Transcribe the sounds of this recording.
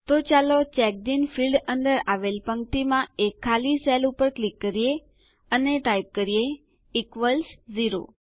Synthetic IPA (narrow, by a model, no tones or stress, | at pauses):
t̪ot͡ʃalot͡ʃɛk̚d̪infilɖənd̪əɾaʋelpəŋt̪imãekʰːalisɛlupəɾklikːəɾije | əneʈajp̚kəɾije | ikʋəlsziɾo̰